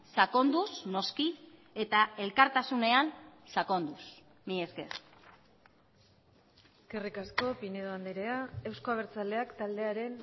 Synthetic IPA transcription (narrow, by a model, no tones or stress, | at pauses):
sako̞nd̪usno̞ski | e̞t̪ae̞lkaɾt̪asune̞ansako̞nd̪us | mieskḛ | kerikasko̞pineðoand̪eɾeae̞wsko̞aβeɾt͡sald̪e̞akt̪ald̪e̞aɾe̞n